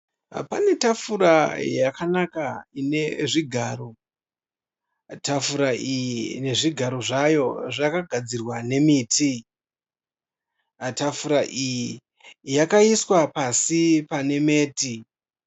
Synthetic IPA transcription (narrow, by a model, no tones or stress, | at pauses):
pane̞tafuɾajakanakaine̞ʐiɡʱaːɾo̞ | tafuɾaijine̞ʐiɡʱaɾo̞ʐajo̞ʐakaɡʱad͡zirwane̞miːtʰi | tafuɾaʔiji | jakaiswapasipane̞me̞ːti